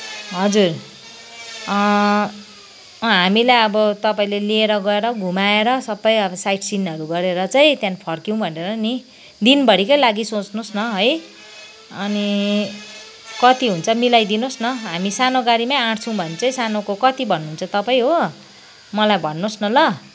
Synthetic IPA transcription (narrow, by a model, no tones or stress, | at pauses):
ɦʌd͡zur | ʌ | ɦamilajʌbʌt̪ʌpaĩlelieɾʌɡʌeɾʌɡʱumaeɾʌsʌbːʌjʌbʌsajʈʰsinʌɾuɡʌɾeɾʌt͡sʌj̃t̪jãnipʰʌrkĩw̃bʱʌneɾʌni | d̪inbʌɽikʌjlaɡisot͡snosnʌɦʌj | ʌni | kʌt̪iɦunt͡sʰʌmilajd̪inosnʌɦamisanoɡaɾimaãɽt͡sʰʌ̃w̃bʱʌnet͡sʌĩsanokokʌt̪ibʱʌnːuɦːnt͡sʰʌt̪ʌpaĩɦo | mʌlajbʱʌnːosnʌlʌ